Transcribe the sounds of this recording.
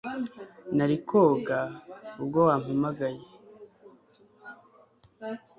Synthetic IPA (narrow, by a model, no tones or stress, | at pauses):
naɾikʰoɡaub̚ɡowaːm̥imaɡaje